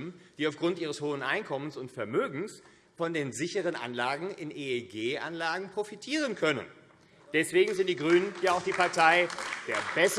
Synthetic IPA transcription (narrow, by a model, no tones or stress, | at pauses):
d̥iːaʊfɡ̥ʁʊntʔiːʁ̞əshoːənʔa̰ɪnkʰɔmənsʊntfɛɐmøːɡŋ̩s | fɔndeːnzɪçəʁənʔa̰nlaːɡŋ̩ɪnʔeeɡeːʔa̰nlaːɡŋ̩pʁ̥ofitʰiːʁənkʰœnə̰n | d̥ɛsv̥eːɡŋ̩zɪnt̚d̥iːɡʁyːnənjaːaʊxd̥iːpaɐtʰaɪd̥eːɐbɛs